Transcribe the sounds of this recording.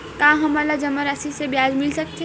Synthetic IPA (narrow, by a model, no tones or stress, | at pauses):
kãːɦɐmalad͡ʒɐməɾasisebjaːd͡ʒmɪlsɐk̚t̪e